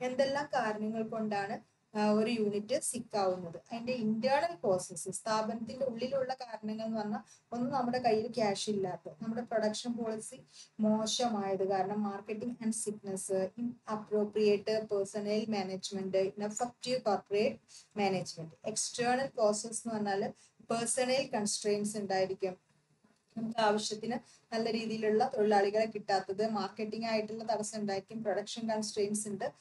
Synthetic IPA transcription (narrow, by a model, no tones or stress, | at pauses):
e̞nd̪e̞lːaːmkaːɾɐɳɐŋːɐɭko̞ɳɖaːɳɨ | oɾujuːnitːɨsikːaːɣunːɐðɨʔɐðinde̞indjaːɳɐlpro̞ːsesɨst̪ʰaːbɐnɐt̪ːinde̞uɭːiluɭːɐkaːɾɐɳɐŋːɐɭenːɨʋɐnːɐo̞nːɨnɐmːuɽe̞kɐɻjːilkaːʂilːaːt̪ːenɐmːuɽe̞pro̞ɽɐkʂɐnpo̞ːɭisimo̞ːʂɐmaːjɐðɨkaːɾɐɳɐmːaːrkːeʈːiŋɡɐɳɖsiknɐsɨinɐpro̞ːprijeʈːɨpersɐnɐlmaːneːd͡ʑmeɳɖɨinɐfɐfʈikoːrpreːʈmeːneːd͡ʑmeɳɖɨeksʈɐːɳɐlko̞ːsɐlsinːɨʋɐnːaːl | persɐnɐlkɐɳsʈrejnɖsuɳɖaːjiɾikʲːum | end̪aːʋɐɕjɐt̪ːinɨ | nɐlːɐɾiːðijiluɭːɐt̪oɭilaːɭiɣɐɭekːiʈːaːt̪ːɐðɨmaːrkeʈːiŋɡaːjiʈːulːɐt̪ɐʋɐsːɐmuɳɖaːjiɾikʲːumproɽɐkʂɐnkɐɳsʈreːjnɖsiɳɖɨ